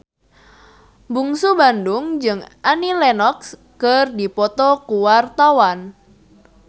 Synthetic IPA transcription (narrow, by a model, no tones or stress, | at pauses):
buŋsubandʊŋd͡ʒɨŋʔanilɛnɔks | kərdipɔt̪ɔkuwart̪awan